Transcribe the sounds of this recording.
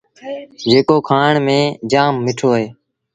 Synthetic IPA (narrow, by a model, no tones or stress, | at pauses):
d͡ʒeːkoːkʰaːɳmẽːd͡ʒaːmːɪʈʰoːɦeː